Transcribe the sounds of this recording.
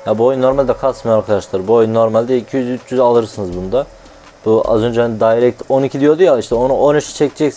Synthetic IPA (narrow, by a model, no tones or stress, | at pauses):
jabuo̞junːo̞ɾmalʲd̪ɛkʰasmijaɾkʰad̪aʃlˠɯɾbuojunːo̞ɾmalʲd̪ɛicʰijyzyt͡ʃʰjyzalˠɯɾsɯnɯzbund̪a | b̥ua̰zø̞nd͡ʒed̪ajɾɛc̚t̪ʰo̞nicʰid̪ijo̞d̪ujalˠiʃt̪ɛo̞nuʔonyt͡ʃt͡ʃʰɛcʰd͡ʒɛcs